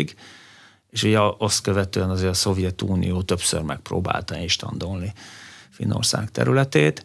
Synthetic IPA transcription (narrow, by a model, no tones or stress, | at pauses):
ɡ | eːʃuɟɛost̪køvɛt̪øːɛnɒzeːɾɒso̞vjɛt̪uːnḭjoːt̪ø̞psø̰rmɛk̚pro̰ːba̰ːlt̪ɒinʃt̪ɒ̰nd̪o̞lnifinːo̰rsa̰ːkt̪ɛ̰ɾylɛt̪eːt̪